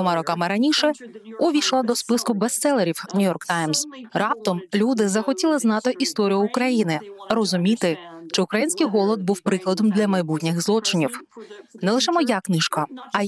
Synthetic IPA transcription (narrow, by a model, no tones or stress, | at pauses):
ɔmɑɾɔkɑmɪɾɐnʲiʃɛʊʋʲiʃlˠɐd̪ɔspɪskʊbest̪sɛlˠeɾʲiwnʲʊjɔrkt̪ɑjmz̥rɑp̚t̪ɔmlʲud̪ɪzɐxɔtʲilˠɪznɑt̪ɪʔist̪ɔɾʲijʊːkɾɐjinɪrɔzʊmʲit̪ɪʃt͡ʃɪʊkɾɐjinʲsʲkɪjɦɔlˠɔd̪̚buwpɾɪklˠɐd̪ɔmd̪ʲlʲɐmɐjbutʲnʲɪɣzlˠɔt͡ʃɪnʲiwnɛlˠɪʃɛmɔjaknɪʃkɐɐ